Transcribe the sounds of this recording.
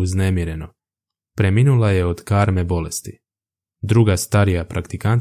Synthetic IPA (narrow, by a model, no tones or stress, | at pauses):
uznemiɾe̞no̞ | pɾe̞minulˠaje̞o̞d̪̥kaːɾme̞bo̞le̞st̪i | d̪ɾuɡast̪aɾijapɾʔakt̪ikant̪